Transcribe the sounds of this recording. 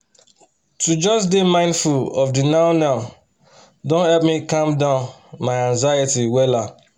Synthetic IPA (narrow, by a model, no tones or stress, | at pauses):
tud͡ʒɔsdemãɪ̃ndfulɔfdinãʊnãʊ | dõnhɛlp̚mikãmdãʊ̃nmaɪãnzajitiwɛla